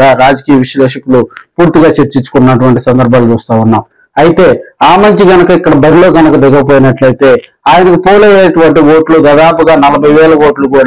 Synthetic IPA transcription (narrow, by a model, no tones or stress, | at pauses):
aɾaːd͡ʒɐkiːjɐʋiʃlɛːʂɐkulupuːɾt̪iɡaːt͡ʃeɾt͡ʃiɲt͡ʃu̥kunːɐʈuʋɐɳʈisɐnd̪ɐɾbʱaːlut͡ʃuːst̪aːunːaːm | ɐjit̪e̞ːaːmɐɲt͡ʃiɡɐnɐkɐikːɐɽɐbɐɾilo̞ːɡɐnɐkɐd̪ɛɡɐp̬oːjinɐʈlɐjit̪e̞ː | aːjɐnɐkipoːlejeːʈuʋɐɳʈiʋo̞ːʈlud̪ɐːd̪aːpuɡaːnɐlɐbʱɐjʋɛːlɐʋo̞ːʈlukuːɽ